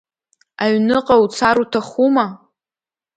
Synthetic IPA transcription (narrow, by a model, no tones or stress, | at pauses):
aɥnɨqʼaut͡sʰaɾutʰaχuma